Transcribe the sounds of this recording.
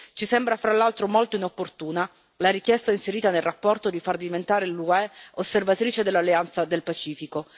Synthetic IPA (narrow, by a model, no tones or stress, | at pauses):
t͡ʃisɛmbɾafɾalːalt̪ɾomolt̪oinopːort̪uːna | laɾik̟jɛst̪ainseɾiːt̪anelrapːɔrt̪od̪ifard̪ivent̪aːɾeluɛosːervat̪ɾiːt͡ʃed̪elːalːeant̪sad̪elpat͡ʃiːfiko